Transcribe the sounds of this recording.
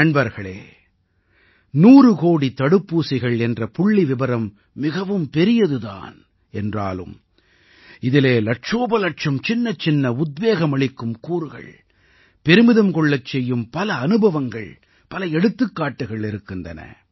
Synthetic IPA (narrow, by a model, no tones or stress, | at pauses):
ɐɳbɐɾɣɐɭḛː | nuːɾɯkoːɽit̪ɐɽɯpːuːsɪɣɐɭɛndrɐpʊɭːiʋɪbɐɾɐmː | ɪɣɐʋɯmpɛɾɪjɐðɯða̰ːn | ɛndra̰ːlɯ̰m | ɪðɪleːlɐʈʂoːbɐlɐʈ̚t͡ʃɐmt͡ʃɪnːɐt͡ʃɪnːɐʊd̪̚beːɣɐmɐɭɪkːɯmkuːɾɯɣɐ̰ɭ | pɛɾɯmɪðɐmkɔɭːɐt͡ʃːɛjːɯmpɐlɐːnɯbɐʋɐŋɡɐ̰ɭ | pɐlɐɛɽɯt̪ːɯkːaːʈːɯɣɐɭɪɾɯkːɪndɐ̰nɐ̰